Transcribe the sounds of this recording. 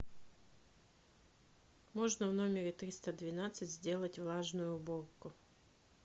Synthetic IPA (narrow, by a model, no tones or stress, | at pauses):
moʐnəvno̞mʲɪɾʲɪt̪ɾʲist̪əd̪vʲɪnat̪sɨtʲzʲdʲe̞lˠətʲvlˠaʐnʊjʊːborkʊ